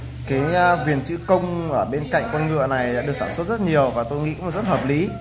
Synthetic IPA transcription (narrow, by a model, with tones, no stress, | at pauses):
kaː˨˦jvi˨˩ənt͡ɕɨ̰˧˥kə˧wŋ͡mʔəː˧˩ɓe˧nka̰˧˨jŋ̟kwɔ˧nŋɨ̰˧˨əna˨˩jɗa̰ː˧˥ɗəksaː˧˩nswə˦˥t̚z̥ə˦˥t̚ɲi˨˩əwvaː˨˩t̪o˧jŋḭ˧˥kːm̚˨˩zə˦˥t̚həː˨˩p̚li˨˦